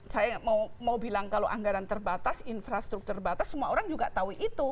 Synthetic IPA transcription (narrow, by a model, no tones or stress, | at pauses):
sajamawmawbilaŋkaloʔaŋɡaɾant̪ərbat̪asinfɾast̪ɾuk̚t̪urbat̪asːəmuaoɾaŋd͡ʒuɡat̪auiʔit̪u